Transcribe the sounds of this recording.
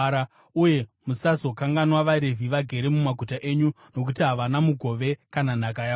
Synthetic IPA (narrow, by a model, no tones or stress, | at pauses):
ɾa | uje̞musazo̞kaŋɡanwaʋaɾe̞vʱiʋaɡʱe̞ɾe̞mumaɡʱutaʔeːɲu | no̞k̬utiɦaʋanamuɡʱo̞ʋe̞kananakajaː